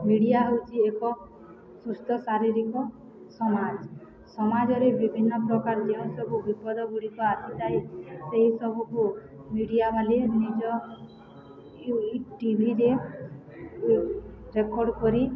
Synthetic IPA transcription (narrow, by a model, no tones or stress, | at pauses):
miɽijaɦewt͡ʃʰiekɔ | sust̪ɔsaɾiɾikɔ | sɔmad͡ʒ | sɔmad͡ʒɔɾebibʱinːɔpɾɔkaɾɔd͡ʒeũsɔbʱubipɔd̪ɔɡuɽikɔasit̪ajseɦisɔbʱuku | miɽijabalenid͡ʒɔ | iʈibʱiɾe | ɾekɔɾɖkɔɾi